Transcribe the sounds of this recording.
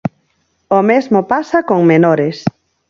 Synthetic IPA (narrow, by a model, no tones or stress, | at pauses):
omezmopasakoŋmenoɾɪs